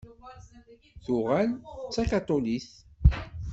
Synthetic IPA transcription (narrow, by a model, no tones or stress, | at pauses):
θʊʁælt͡sːakat̪ˤoliθ